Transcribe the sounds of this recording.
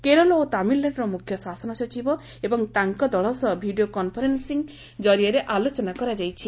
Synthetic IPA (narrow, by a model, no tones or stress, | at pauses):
keɾɔlɔot̪amilːaɽɾɔmukʰjɔswasɔnɔsɔt͡ʃibɔ | ebɔŋt̪aŋkɔd̪ɔɭɔsɔbʱiɖijokɔnpʰɔɾensiŋ | d͡ʒɔɾijɔɾeʔalot͡ʃɔnakɔɾad͡ʒajt͡ʃʰi